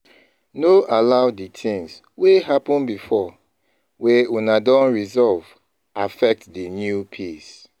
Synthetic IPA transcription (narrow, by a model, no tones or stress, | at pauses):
noʔalaʊditʰĩŋs | weɦapɔ̃nbifɔ | weunadɔ̃nɹizɔlv | afɛk̚tdinjupʰis